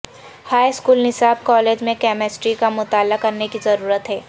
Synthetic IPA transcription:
haːiskuːlnɪsaːb̚kɔːleːd͡ʒmẽkɛːmesʈɾikamʊt̪aːlakɐɾnekizɐɾuːɾət̪ɦɛː

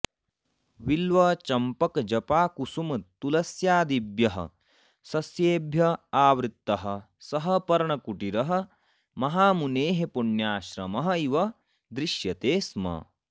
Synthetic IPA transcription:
ʋilʋɐt͡ʃɐmpɐkd͡ʒɐpaːkusumɐt̪ulɐsjaːd̪ibjɐɦɐ̰ | sɐsjeːbʱjɐaːʋɾit̪ːɐɦɐ̆ | sɐɦɐpɐɾɐɳɐkuʈiɾɐɦɐ̆ | mɐɦaːmuneːɦepuɳjaːʃɾɐmɐɦɐ̆iʋɐ | d̪ɾiʃjɐt̪eːsmɐ̰

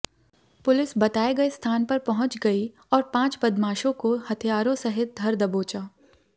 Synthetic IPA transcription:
pʊlɪsbɐt̪aːeɡɐest̪ʰaːnpɐɾpɐɦʊ̃t͡ʃɡɐi | ɔːɾpãːt͡ʃpɐd̪maːʃõkohɐt̪ʰijaːɾõsɐɦɪt̪̚d̪ʱɐɾd̪ɐboːt͡ʃaː

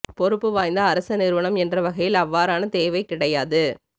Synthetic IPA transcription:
pɔɾɯpːɯʋaːjnd̪ɐːɾɐsɐnɪɾɯʋɐɳɐmɛndrɐʋɐɣɐjɪlɐʋːaːɾaːnɐt̪eːʋɐɪkɪɽɐjaːðɯ

